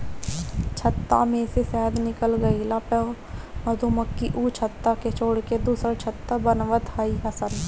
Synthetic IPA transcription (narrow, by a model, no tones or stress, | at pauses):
t͡ʃʰət̪ːa̰mẽsesɛːd̪nɪkəlɡəilapə | məd̪ʱuməkːiʔuːt͡ʃʰət̪ːaket͡ʃʰoːɽked̪uːsəɾt͡ʃʰət̪ːabənʋət̪haiɦɐsən